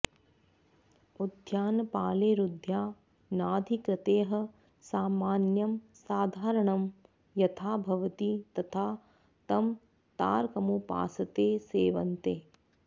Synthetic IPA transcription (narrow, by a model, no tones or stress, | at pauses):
ud̪ʱjaːnɐpaːleːɾud̪ʱjaː | naːd̪ʱikɾɪt̪eːɦɐ̆ | saːmaːnjɐmsaːd̪ʱaːɾɐɳɐm | jɐt̪ʰaːbʱɐʋɐt̪it̪ɐt̪ʰaː | t̪ɐm | t̪a̰ːɾkɐmupa̰ːsɐt̪eːseːʋɐnt̪eː